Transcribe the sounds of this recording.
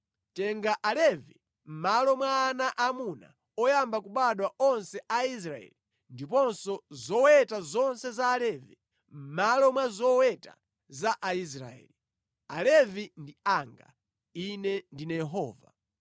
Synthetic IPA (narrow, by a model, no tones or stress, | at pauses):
tɛŋɡaʔalɛvi | m̩malɔmwaːnaʔamuna̰ | ɔjambakuɓaɗwaɔnsɛʔais̬ɾaɛ̰li | ndipɔnsɔzɔwɛtazɔnsɛzaːlɛvi | m̩malɔmwazɔwɛta̰ | zaʔais̬ɾa̰ɛ̰li | alɛvindiaŋɡa̰ | inɛndinajɛɦɔːva̰